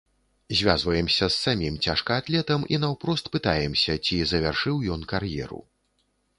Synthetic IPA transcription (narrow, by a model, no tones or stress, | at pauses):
zʲvʲazvɐjɛmsʲɐsːamʲimt͡sʲaʂkɐːt̪lʲɛt̪ɐmḭnawpɾɔst̪̚pɨt̪ajɛmsʲɐt͡sʲizɐvʲarʂɨwjɔnkarjɛ̰ɾṵ